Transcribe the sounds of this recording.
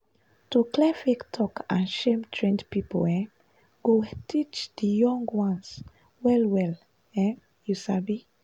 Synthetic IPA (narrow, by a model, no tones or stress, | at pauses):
tuklɛfektʰɔkãnʃẽmtʰɹẽndpipo̰lɛ̃ | ɡ̥otʰit͡ʃd̪̥əjɔ̃ŋɡwãns | wɛlwɛl | ɛ̃ | jusabi